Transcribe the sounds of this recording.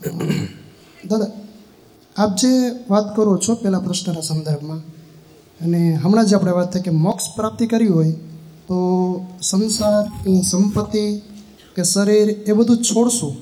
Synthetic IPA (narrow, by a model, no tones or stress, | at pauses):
d̪ad̪a | ap̚d͡ʒeʋat̪kəɾot͡ʃʰopɛlapɾəʃnənasə̃nd̪əɾbʱmã | əneɦəmɽ̃ãd͡ʒeapɳ̃eʋat̪ʰːajkemɔkspɾap̚t̪ikəɾiɦojt̪osənsaɾnisəmpət̪ːi | keʃəɾiɾebəd̪ʱũt͡ʃʰoɽʃũ